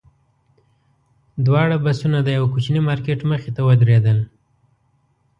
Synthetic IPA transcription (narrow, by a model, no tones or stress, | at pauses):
d̪wɑɽabasunad̪əjawkut͡ʃnimɑɾkeʈməxet̪awəd̪ɾed̪əl